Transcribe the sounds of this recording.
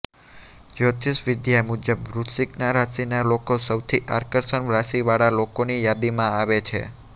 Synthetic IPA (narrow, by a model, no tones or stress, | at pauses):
d͡ʒot̪isʋɪd̪jamud͡ʒəbɾut̪siknaɾasinalokosəwt̪ʰiʔaɾkəɾsənʋɾasiʋaɽalokonijad̪imãaʋet͡ʃʰḛ